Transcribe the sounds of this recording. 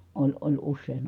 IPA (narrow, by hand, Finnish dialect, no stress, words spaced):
olʲ olʲ usːeˑin